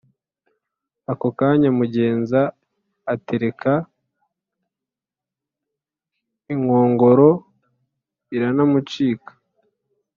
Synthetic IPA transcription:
akokaɲamuɟe̞ːnzaː | te̞ɾe̞kʰa | iŋo̞ːŋɡo̞ɾo̞ | iɾanamut͡ʃiːkḁ

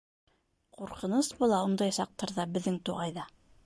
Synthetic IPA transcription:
quɾqɤ̆nɤsbŏlˠɑund̪ɑjsɑq̚t̪ɑɾðɑbɘ̆ðːɘŋt̪uʁɑjðɑ

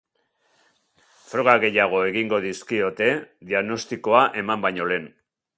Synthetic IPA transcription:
fɾo̞ɣaɣe̞jaɣ̞o̞e̞ɣiŋɡo̞ðiskio̞t̪e̞ðiaɣno̞st̪iko̞aʔe̞mambajɲo̞le̞ːn

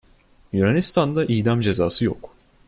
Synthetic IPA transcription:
juɾanʲist̪ʰand̪aʔiːd̪amd͡ʒe̞zaːsɯjo̞̰k

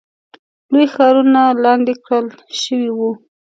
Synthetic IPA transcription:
lojxɑɾunalɑnd̪ɪkɽəl | ʃəwiwu

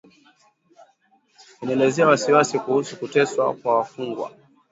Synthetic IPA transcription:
ɛnaɛlɛzɛawasiwasikuhusukutɛswa̰kwawafuŋɡwa̰

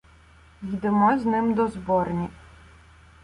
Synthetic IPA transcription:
jid̪emɔznɪmd̪ɔzbɔrnʲi

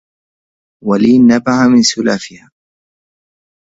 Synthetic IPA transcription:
waliːnːabaʕamɪnsʊlaːfɪhaː

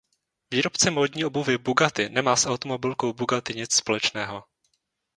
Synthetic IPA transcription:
viːɾo̞pt͡sɛmo̞ːdɲiːo̞buvɪbuɡat̪ɪnɛmaːsʔawt̪o̞mo̞bɪlko̞wbuɡat̪ɪɲɪt͡sspo̞lɛt͡ʃnɛːɦo̞

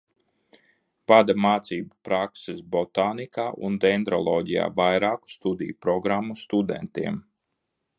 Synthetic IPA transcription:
pad̪amaːt̪siːbapɾaksesbɔt̪aːnikaːʔund̪ɛnd̪ɾɔlˠɔːɟija̰ːvajɾaːku̥st̪ud̪ḭjupɾɔɡɾamːust̪ud̪ɛ̰nt̪iɛm

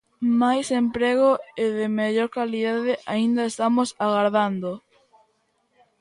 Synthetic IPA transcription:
majsempɾeɣoeðɪmeʎoɾkaliðaðɪʔaind̪aest̪amosaɣaɾðand̪o

